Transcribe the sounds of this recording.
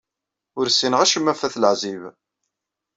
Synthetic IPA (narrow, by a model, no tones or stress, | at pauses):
ʊɾsːinəʁæʃəmːæfæθləʕziv